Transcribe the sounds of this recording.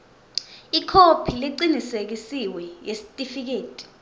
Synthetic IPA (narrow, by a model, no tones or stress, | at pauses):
ikʰopʰiliǀinisek̬isiwɛjesi̥tʼifik̬eːtʼi̥